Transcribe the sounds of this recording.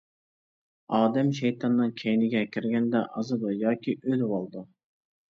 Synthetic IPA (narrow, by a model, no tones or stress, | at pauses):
ɑːd̪ɛmʃɛjt̪ʰɑnːɨŋkʲʰɛjnɪɡʲɛkʲʰiɾɡʲɛnd̪ɛʔɑzɨd̪ɨjɑːkʲiʔød̪wɑlˠd̪u